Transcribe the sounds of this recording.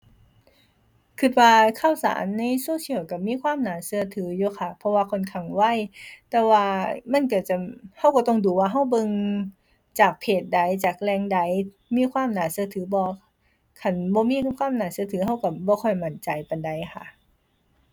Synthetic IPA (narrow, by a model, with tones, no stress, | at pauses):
kʰɯ˧˩t̪̚waː˧kʰa˧˩˨wsa̰ː˨˦nːa˧˨jsuː˧˥˨si˧˦əwka˧˩miː˧˥˨kʰwaː˧˥˨mnaː˨˦sɯ˧ɐt̪ʰɯː˨˦juː˧˦kʰa˧˩pʰɔ˧waː˧kʰo˧˥˨nkʰa˧˩ŋwa˧˥˨jt̪ɛː˧waː˧ma˧˥˨nk̬a˧˩t͡ɕa˧˩ha˧˩˨wka˧˩t̪ɔ˧˨ŋduː˧˦waː˧ɦa˧˩˨wbɤ˧˨ŋ | t͡ɕaː˨˩k̚pʰeː˨˩t̪̚da˧˩jt͡ɕaː˨˩k̚lɛː˧ŋda˧˩j | miː˧˥˨kʰwaː˧˥˨mnaː˨˩sɯ˧ət̪ʰɯː˨˦bɔː˧ | kʰa˧˩˨nbɔː˧˦miː˧˥˨kʰwaː˧˥˨mnaː˧˩sɯ˧˨t̪ʰɯː˨˦ɦa˧˥˩wka˧˩bɔː˧˦kʰɔ˧˩jma˧˩nt͡ɕa˨jpa˨nda˨˩jkʰa̰˧˩˨